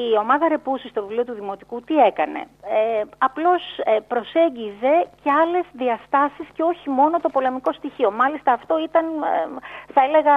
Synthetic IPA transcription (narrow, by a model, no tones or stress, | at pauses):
io̞mɐðɐɾe̞pusist̪o̞vilio̞t̪uðimo̞t̪ikut̪ie̞kɐne̞̰eɐplo̞spɾo̞se̞ɲɟize̞ce̞ɐle̞zðiɐst̪ɐsisce̞o̞çimo̞no̞t̪o̞po̞le̞miko̞st̪içio̞mɐlist̪ɐːft̪o̞it̪ɐn | θɐe̞le̞ɣɐ